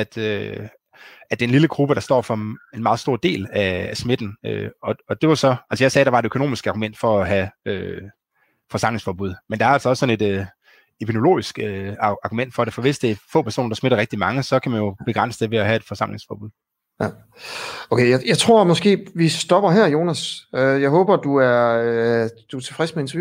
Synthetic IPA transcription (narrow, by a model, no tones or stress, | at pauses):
æd̥ø | æd̥e̝enliləɡ̥ʁub̥əɾ̥ɑ̈sd̥ɒ̰ːfɒ̽e̝nmɑ̈ːðˠsd̥o̝ɐ̰d̥e̝̰ːlæːsme̝d̥n̩øɒ̽ɒ̽d̥e̝ʋɑsɒ̽ælsəjɑ̈ɪsɛːɾ̥ɑ̈ʋɑ̈e̝dø̥kʰoo̝̰ːmisɡ̥əɑ̈ɡumen̰d̥fɒ̽ɒɦæø | fɒ̽sɑ̈m̰leŋsfɒːb̥uð̞̰ˠmend̥ɑ̈æɐælsɒ̽ɒ̽sːɒ̽ne̝d̥ø | epʰino̝lo̝̰ːisɡ̥øɑ̈ɡ̥umen̰d̥fɒ̽ɾ̥efɒ̽ʋe̝sd̥e̝æɐfɔ̰̽ːpæɐso̝̰ːnɐd̥ɑsme̝dɾɐʁɛɡ̥̚d̥imɑ̈ŋəsɒ̽kʰæmænjo̝b̥e̝ɡ̥ʁɑ̈n̰səd̥eʋe̝æɦæe̝d̥fɒ̽sɑ̈m̰le̝ŋsfɒ̰ːb̥uð̰ˠ | okʰejajɑ̈ɪt͡sʰʁo̝ɐ̰mɒ̽sɡ̥e̝̰ːʋisd̥ɒ̽b̥ɐɦɛɐ̰jo̝ːnæsøjɑɪɦɔ̽ːb̥ɐd̥uæɐ | d̥uæɐt͡sʰe̝fʁɛsmeent͡sʰɐju